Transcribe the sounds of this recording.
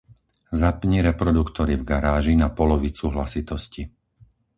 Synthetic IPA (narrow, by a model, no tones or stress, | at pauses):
zapɲiɾɛpɾɔd̪ukt̪ɔɾivɡaɾaːʒinapɔlɔʋit͡suɦlasit̪ɔsci